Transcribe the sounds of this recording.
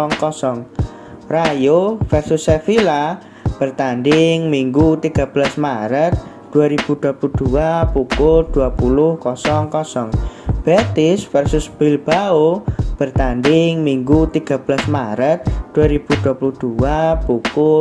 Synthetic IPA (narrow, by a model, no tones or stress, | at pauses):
ɔŋkɔsɔŋ | rajofɛrsʊsːefila | b̥ərt̪andɪŋmiŋɡut̪iɡ̥a̤b̥əlasmaɾət̪̚ | d̪̥uaɾib̥ṳd̪̥uapulud̪̥uapukʊld̪̥uapulʊhkɔsɔŋkɔsɔŋb̥et̪ɪsfɛrsʊsb̥ɪlb̥aob̥ərt̪andɪŋmiŋɡut̪iɡ̥a̤b̥əlasmaɾət̪̚d̪̥uaɾib̥ud̪̥uapuluhd̪̥uapukʊ